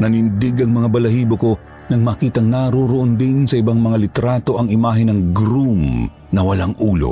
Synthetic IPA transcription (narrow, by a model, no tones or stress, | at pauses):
nɐnɪnd̪ɪɡɐŋmɐŋabɐlɐhiːboko̞ | nɐŋmaːkiːt̪ɐŋnaɾoɾoʔond̪ɪnsɐɪbaŋmɐŋalɪt̪ɾaːt̪o̞ʔɐŋɪmaːɦɪnɐŋɡɾum | nɐwɐlaŋʔuːlo̰